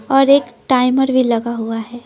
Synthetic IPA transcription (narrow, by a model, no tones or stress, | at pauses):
ɔːɾeːkʈaːɪməɾbʱilɐɡaɦuaɦɛː